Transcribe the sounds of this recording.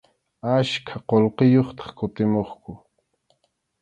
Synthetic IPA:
aʃkʰaqolqejoχt̪ɑ̥χkʊt̪ɪmoχkʊ

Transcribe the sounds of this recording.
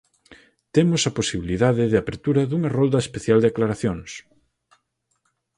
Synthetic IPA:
t̪emosɐposiβiliðaðɪðɪapeɾt̪uɾɐðuŋɐrɔld̪ɐespeθjald̪eaklaɾaθjoŋs

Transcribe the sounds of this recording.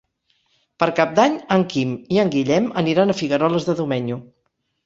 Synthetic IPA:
pəɾkap̚d̪aɲəŋkimiəŋɡiʎɛməniɾanəfiɣəɾɔləzðəðumɛɲu

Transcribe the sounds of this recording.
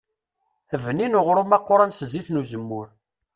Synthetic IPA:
vninoʁɾumɑqːoɾˤɑnsəziθnuzəmːʊɾ

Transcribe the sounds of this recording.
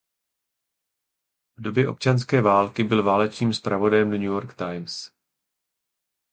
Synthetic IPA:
vdo̞bjɛʔo̞̰p̚t͡ʃanskɛːvaːlkɪbɪlvaːlɛt͡ʃniːmspɾʔavo̞dajɛmnɲujoɾkt̪ajms

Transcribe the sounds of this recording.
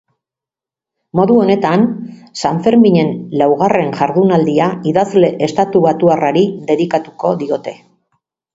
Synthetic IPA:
mo̞ðuo̞ne̞t̪ansaɱfe̞ɾmiɲe̞nlawɣ̞are̞nʝaɾðunald̪iaiðazle̞ʔest̪at̪uβat̪uaraɾiðe̞ðikat̪uko̞ðio̞t̪e̞

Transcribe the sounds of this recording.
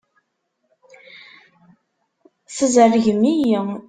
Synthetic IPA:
θəzərəʝəmijə

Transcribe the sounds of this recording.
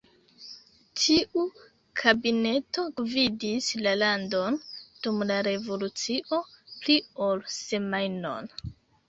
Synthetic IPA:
tʰiʔu | kʰabine̞to̞vidislalando̞nd̥umlaɾe̞vo̞lut͡siʔo̞plio̞lse̞majno̞̰n

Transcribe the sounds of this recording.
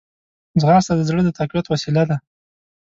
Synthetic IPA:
zɣɑɾst̪ad̪əzɽəd̪ət̪aqbijat̪wasilad̪a

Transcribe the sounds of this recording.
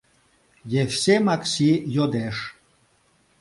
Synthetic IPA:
jefsʲemaksʲijod̪eʂ

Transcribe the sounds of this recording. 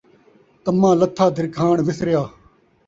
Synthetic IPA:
t̪əmãːlət̪ʰːaːd̪ʱɪɾkʰaːɳʋɪsɾɪjaː

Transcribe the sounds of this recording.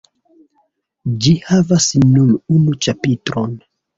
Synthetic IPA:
d͡ʒihavasnuɾunut͡ʃapitɾon

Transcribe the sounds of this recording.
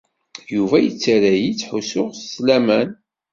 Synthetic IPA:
juvæjət͡sːɾæjit͡sːħusʊʁsslæmæn

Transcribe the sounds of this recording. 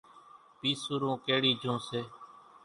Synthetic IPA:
piːsʊɾõːkeːɽiːd͡ʒʱõːseː

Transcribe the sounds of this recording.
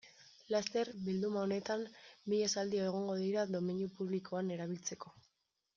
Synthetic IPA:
last̪e̞ɾbild̪umaone̞t̪amːiʎesald̪ioe̞ɣ̞o̞ŋɡo̞ðiɾad̪o̞minjupuβlikʰo̞ane̞ɾaβ̞ilt͡se̞ko̞

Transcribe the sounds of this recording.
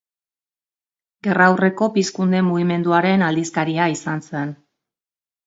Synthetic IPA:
ɡe̞rawre̞ko̞piskund̪e̞muɣime̞nd̪uaɾe̞nald̪iskaɾiaisansen

